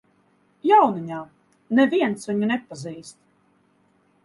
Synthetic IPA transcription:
jawniɲaː | nɛviɛnsviɲunɛpaziːst̪

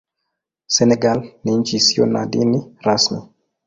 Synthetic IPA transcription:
sɛnɛɡalniɲt͡ʃisionadiniɾasni

